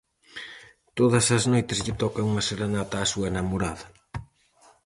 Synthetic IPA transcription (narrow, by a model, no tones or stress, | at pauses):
t̪oðɐsɐznojt̪ɪzʎɪt̪ɔkɐuŋɐseɾenat̪aːsuɐenɐmoɾaðɐ